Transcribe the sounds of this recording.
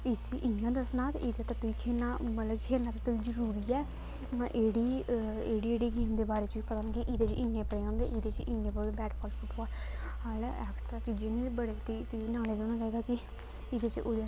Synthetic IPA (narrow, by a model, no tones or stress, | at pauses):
ɪsiʔɪnjãːd̪əsnaːt̪ːɪd̪eːt̪aːt̪ʊiːkʰeːnaːmət̪ləbkʰeːɾnãːt̪aːt̪ʊiːd͡ʒəɾuːɾiːɛː | ãʔeːɽiːeːɽiːeːɽiːɡiːmd̪eːbaːɾeːt͡ʃiːpət̪aːnːkɪʔid̪eːt͡ʃʔɪnːẽːpəɽeːãːnd̪ḛːʔɪd̪eːt͡ʃɪnːẽːpəɾoːd̪ebɛːʈpʰɔːlfʰʊʈɔːlhaːlɛ̰ːksʈɾaːt͡ʃiːd͡ʒeːnːbəɽeːt̪iːt̪ʊiːnaːleːd͡ʒãːñaːt͡ʃaːiːd̪aːkɪ | ɪd̪eːt͡ʃʔoːd̪e